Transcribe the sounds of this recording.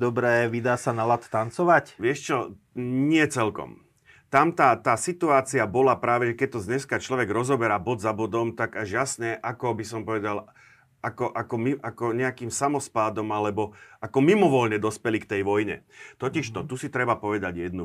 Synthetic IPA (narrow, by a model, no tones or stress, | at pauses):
d̪ɔbɾɛːʋid̪aːsanalat̪ːant͡sɔʋacʋɪɛʃt͡ʃɔ | ɲɪɛt͡sɛlkɔ̰m | t̪amt̪aːt̪aːsit̪uaːt͡siabɔlapɾaːʋɛʒɛkɛc̚t̪ɔzd̪ɲɛskat͡ʃlɔʋɛɡɾɔzɔbɛɾabɔd̪zabɔd̪ɔmt̪aɡaʒjasɲɛʔakɔbisɔmpɔʋɛd̪al | akɔʔakɔmiakɔɲɛakiːmsamɔspaːd̪ɔmalɛbɔʔakɔmimɔʋɔlɲɛd̪ɔspɛlikt̪ɛjʋɔjɲɛ̰t̪ɔciʃt̪ɔt̪usit̪ɾɛbapɔʋɛd̪aɟjɛd̪nu